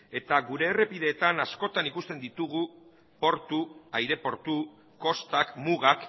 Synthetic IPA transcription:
e̞t̪aɣuɾe̞ːre̞piðe̞ːt̪anasko̞t̪anikust̪e̞nd̪it̪uɣu | po̞ɾt̪uajɾe̞po̞ɾt̪u | ko̞st̪akmuɣak

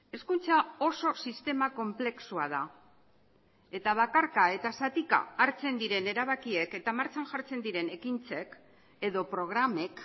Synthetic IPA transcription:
e̞skunt͡sao̞so̞sist̪e̞mako̞mple̞ksuaða | e̞t̪aβ̞akaɾkae̞t̪asat̪ika̰ːɾt͡se̞nd̪iɾe̞ne̞ɾaβ̞akie̞ke̞t̪amaɾt͡sanʝaɾt͡se̞nd̪iɾe̞ne̞kint͡se̞k | e̞ðo̞pɾo̞ɣ̞ɾame̞k

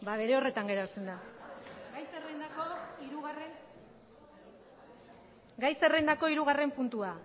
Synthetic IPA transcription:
baβe̞ɾe̞o̞re̞t̪aŋɡe̞ɾat͡se̞nd̪a | ɡajserend̪akoiɾuɣaren | ɡajse̞rend̪ako̞iɾuɣ̞are̞mpunt̪ua

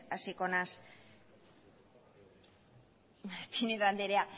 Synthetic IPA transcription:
asikonas | pineðand̪eɾea

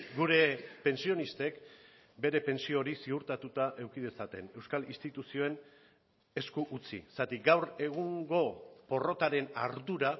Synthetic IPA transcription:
ɡuɾe̞pe̞nsio̞nist̪e̞k | be̞ɾe̞pe̞nsio̞ɾisiuɾt̪at̪ut̪aʔe̞wkiðe̞sat̪e̞ne̞wskalinst̪it̪usio̞e̞n | e̞skuʔut͡sḭsat̪iɡawɾe̞ɣ̞uŋɡo̞po̞ro̞t̪aɾe̞naɾðuɾa

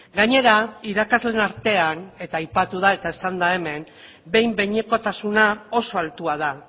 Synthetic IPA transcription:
ɡaɲe̞ɾaiɾakazle̞naɾt̪e̞ane̞t̪aːjpat̪uð̞ae̞t̪aesand̪ae̞me̞n | be̞jmbe̞ɲeko̞t̪asunao̞so̞alt̪uað̞a

